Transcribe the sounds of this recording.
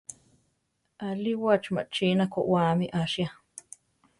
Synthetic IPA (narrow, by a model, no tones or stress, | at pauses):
ʔaliwat͡ʃma̰t͡ʃinakoʔwamiʔaʃja